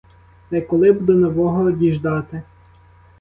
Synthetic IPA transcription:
t̪ɐjkɔlˠɪbd̪ɔnɔʋɔɦɔːd̪ʲiʒd̪ɑt̪ɪ

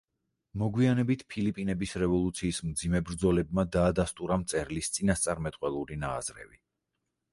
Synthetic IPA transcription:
mɔɡwianɛbit̪ʰpʰilipʼinɛbisɾɛvɔlˠut̪sʰiːsmd̪zimɛbɾd̪zɔlɛb̚mad̪aːd̪ast̪ʼuɾamt̪sʼɛɾlist̪sʼinast̪sʼaɾmɛt̪ʼqʼwɛlˠuɾinaːz̥ɾɛ̰vi

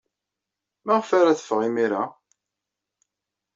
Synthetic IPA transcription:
mæʁfaɾaθə̥fʁimiɾa

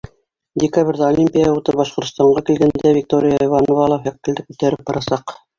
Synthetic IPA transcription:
dʲɪkabrʲðɑolʲimʲpʲijaɑut̪ɤp̚bɑʃqŏɾt̪ŏ̥st̪ɑɴɢɑkilɡænd̪ævʲik̚t̪oɾʲɪjaivɑnovɑlˠɑhækːɘ̆ld̪ɘkʉt̪æɾɘp̚bɑɾɑsɑq

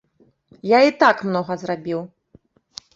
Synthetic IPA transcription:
jait̪akmnɔɣɐzrabʲiw

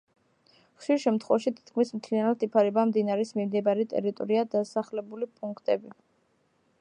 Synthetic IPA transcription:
χʃiɾʃɛmt̪ʰχwɔvaʃit̪ʰi̥t̪̚kʰmismt̪ʰlianat̪ipʰaɾɛbamd̪inaɾɛsmimd̪ɛbaɾɛt̪ʼɛ̰ɾit̪ʼɔɾiad̪asaχlɛbulipʼuŋkʰt̪ʼɛbi

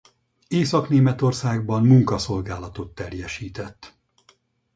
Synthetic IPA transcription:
eːsɒkneːmɛt̪o̞rsaːɡbɒmmuŋkɒso̞lɡaːlɒt̪o̞t̪ːɛrjɛʃiːt̪ɛt̪ː

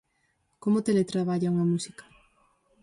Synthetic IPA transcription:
komot̪elet̪ɾaβaʎauŋamusi̥kɐ̥

